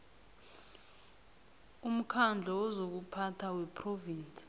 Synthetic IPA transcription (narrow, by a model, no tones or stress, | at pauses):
um̩kʰand͡ɮʱɔɔzok̬upʰatʰawɛpʰrɔviːnt͡sʼi̥